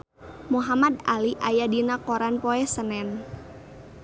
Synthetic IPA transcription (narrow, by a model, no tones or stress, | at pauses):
muɦamad̪aliʔajadinakoɾanpɔɛsənɛn